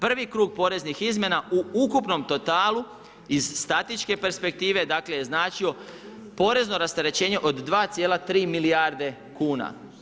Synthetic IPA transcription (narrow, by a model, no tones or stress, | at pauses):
pr̩ʋikɾuːɡ̚po̞ːɾe̞znixizmje̞nauukupno̞mt̪o̞t̪aːlu | izst̪at̪it͡ʃke̞pe̞ɾspe̞k̚t̪iːʋe̞d̪akle̞jeznaːt͡ʃio̞ | po̞ɾe̞zno̞ɾast̪eɾe̞t͡ɕe̞ːɲe̞ʔo̞d̪ːʋaːt̪sjeːlat̪ɾiːmilijaɾd̪e̞ | kuːna̰